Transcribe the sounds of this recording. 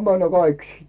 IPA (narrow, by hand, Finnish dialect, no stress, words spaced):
mænːæ kɑik